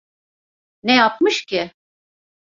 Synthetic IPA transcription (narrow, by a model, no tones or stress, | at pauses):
nejap̚mɯʃcʰɪ